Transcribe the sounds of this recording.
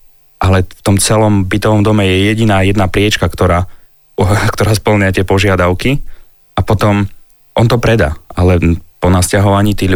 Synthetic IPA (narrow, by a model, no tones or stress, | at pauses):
ʔalɛft̪ɔmt͡sɛlɔmbit̪ɔʋɔmd̪ɔmɛjɛjɛɟinaːjɛd̪napɾɪɛt͡ʃkakt̪ɔɾaː | kt̪ɔɾaːspl̩ɲɪat̪ɪɛpɔʒɪad̪aʊki | ʔapɔt̪ɔm | ʔɔnt̪ɔpɾɛd̪aalɛpɔnascaɦɔʋaɲiːt̪iːɣʎ